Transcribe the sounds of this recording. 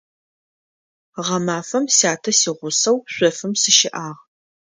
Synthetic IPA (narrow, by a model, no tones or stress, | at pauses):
ʁɐmaːfɐmsaːtʰɐsiːʁʷʊsɐwɕʷɔfɨmsɨʃɪʔaːʁ